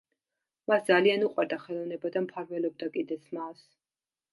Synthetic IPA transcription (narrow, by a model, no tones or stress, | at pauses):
masd̪zalianuqʼwɛɾd̪aχɛlˠɔvnɛbad̪ampʰaɾvɛlɔb̚d̪akʼid̪ɛsʰmas